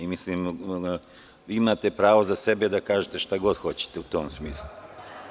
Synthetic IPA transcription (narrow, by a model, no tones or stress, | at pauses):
imisliːm | ʋiːimaːt̪e̞pɾaːʋozase̞be̞d̪akaːʒet̪e̞ʃt̪aɡo̞d̪xo̞t͡ɕe̥t̪eut̪o̞ːmsmiːslˠu